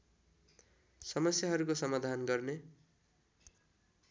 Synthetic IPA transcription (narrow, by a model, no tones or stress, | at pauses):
sʌmʌsjaɦʌɾukosʌmad̪ʱanɡʌrne